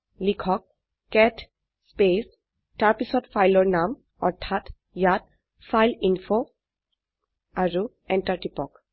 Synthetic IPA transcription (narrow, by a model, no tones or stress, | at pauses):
likʰɔk̚ | kːɛtʰ | spes | taɹpisɔtfʰajlɔɹnam | ɔɹtʰːat | jat̚ | fʰajlinfo | aɹu | ɛntaɹʈipɔk